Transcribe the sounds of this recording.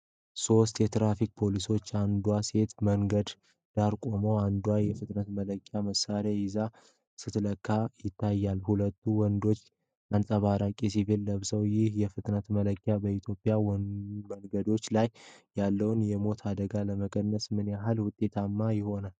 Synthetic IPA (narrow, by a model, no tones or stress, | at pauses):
so̞st̪jɛt̪ɾafik̚ʼpʰo̞liso̞t͡ʃːand̪wase̞t̪məŋɡəd̪ | d̪̥aɾkʼo̞mo̞and̪uwajɛfɨt̪ʼnət̪mələkʼːjaməsaɾaɪza | sɨt̪ʰləkʰːajɪt̪ʰːajːalhulət̪ʰːuwɔnd̪o̞t͡ʃː | ʔansʼəβaɾakʼisivilːəβsəwjɪhjɛfɨt̪ʼnət̪mələkʼːjabəit̪ʰjo̞pʼːjawməŋɡəd̪o̞t͡ʃːlajː | alːəwnjɛmo̞t̪ʰad̪əɡaləməkʼʰənːəsmɨnjaɦalwʊt̪ʼːe̞t̪ʰamːajɪho̞nal